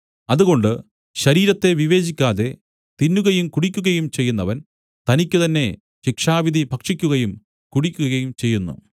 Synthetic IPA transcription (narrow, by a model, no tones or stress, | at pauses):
ɐðuɣo̞ɳɖɨ | ɕɐɾiːɾɐt̪ːe̞ʋiʋe̞ːt͡ɕikʲːaːðe̞ | t̪inːuɣɐjumkuɽikʲːuɣɐjumt͡ɕe̞jːunːɐʋɐn | t̪ɐnikʲːɨt̪ɐnːe̞ | ɕikʂaːʋid̪ʱibʱɐkʂikʲːuɣɐjum | kuɽikʲːuɣɐɣɐjumt͡ɕe̞jːunːṵ